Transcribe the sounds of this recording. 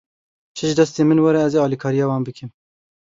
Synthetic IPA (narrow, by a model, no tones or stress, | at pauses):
t͡ʃʰɨʒɨd̪ɛst̪eːmɨnwɛɾɛɛzeɑːlikʰɑːɾijɑːwɑːnbɨkʰɨm